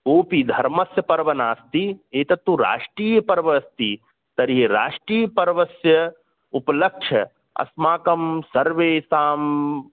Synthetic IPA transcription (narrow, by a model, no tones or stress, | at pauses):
koːpid̪ʱɐɾmɐsjɐpɐɾʋɐnaːst̪ieːt̪ɐt̪ːuɾa̰ːʂʈɾiːjɐpɐɾʋɐst̪i | t̪ɐɾɦiɾa̰ːʂʈɾiːjɐpɐɾʋɐsjɐ | upɐlɐkʂʰɐ | ɐ̰smaːkɐmsɐɾʋeːsaːm